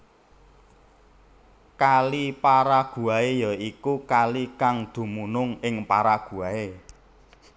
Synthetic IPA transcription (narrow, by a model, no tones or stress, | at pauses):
kalipaɾaɡ̥ṳaejɔikukalikaŋd̪̥ṳmunʊŋɪŋpaɾaɡ̥ṳae